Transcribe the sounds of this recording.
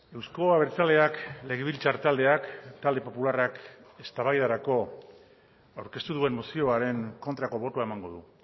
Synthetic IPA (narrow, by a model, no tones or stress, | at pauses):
e̞wsko̞aβe̞ɾt͡sald̪e̞akle̞ɣ̞eβilt͡saɾt̪ald̪e̞akt̪ald̪e̞po̞pularake̞st̪aβajðaɾako̞ | awɾke̞st̪uð̞ue̞mːosio̞aɾe̞ŋko̞nt̪ɾako̞βo̞t̪oae̞maŋɡo̞ðu